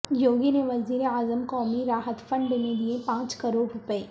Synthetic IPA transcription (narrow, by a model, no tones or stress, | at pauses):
joːɡineʋɐziːɾeaːzəmkɔːmiɾaːɦət̪fɐ̃ɳɖbɐned̪iẽpãːt͡ʃkɐɾoːɾɾʊpəeː